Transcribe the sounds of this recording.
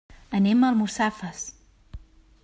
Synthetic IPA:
əneməlˠmustafəs

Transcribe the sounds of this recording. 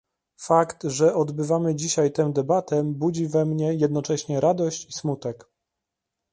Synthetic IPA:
fakt̪ʐɛʔɔd̪bɘvamɘd͡ʑiɕajt̪ɛmd̪ɛbat̪ɛbud͡ʑivɛmɲɛjɛd̪nɔt͡ʂɛɕɲɛɾad̪ɔɕt͡ɕismut̪ɛk

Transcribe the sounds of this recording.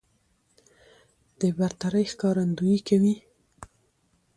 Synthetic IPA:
d̪̥əbaɾt̪aɾəjxkɑɾand̪ujikawi

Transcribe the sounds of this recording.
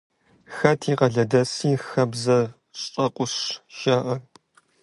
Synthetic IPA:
xɐtʰiːqɐɮɐdɐsiːxɐbzɐ | ɕʼɕʼɐqʷʊɕʃaːʔɐr

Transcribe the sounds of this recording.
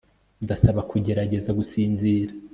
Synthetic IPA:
ndasaβakʰuɟe̞ɾaɟe̞zaɡusiːnziːɾa

